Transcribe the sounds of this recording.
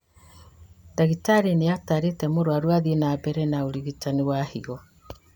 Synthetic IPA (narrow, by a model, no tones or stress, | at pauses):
ndaɣitaɾenejataɾetɛmoɾwaɾwaðinabɛɾɛnaoɾiɣitaniwahiɔ